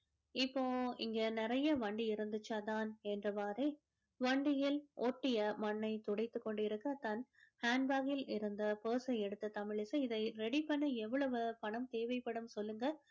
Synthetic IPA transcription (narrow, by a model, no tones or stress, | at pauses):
ɪpːoːɪŋɡɐnɪrɐjɐʋɐɳɖiɪɾɯnd̪ɯt͡ʃːaðaːnɛndrɐʋaːɾeː | ʋɐɳɖɪjɪlʔoːʈːɪjɐmɐnːɐɪt̪ʊɽɐɪt̪ːɯkːɔɳɖɪɾɯkːɐt̪ɐnhaːnbaːɣɪlɪɾɯnd̪ɐpoːsɐɛɽɯt̪ːɐt̪ɐmɪɭɪsɐɪðɐɪɾɛɽipːɐnːɐɛʋːɐɭɐʋɯpɐɳɐmt̪eːʋɐɪpːɐɽɯmsɔlːɯŋɡɐ